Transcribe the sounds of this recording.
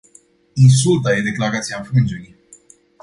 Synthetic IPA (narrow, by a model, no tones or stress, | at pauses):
ins̬ult̪ajed̪e̞klaɾat̪siafɾɨnd͡ʒeɾi